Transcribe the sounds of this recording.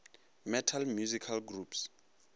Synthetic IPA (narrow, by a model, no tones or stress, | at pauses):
mɛtʰalmjuzikʰalɡrups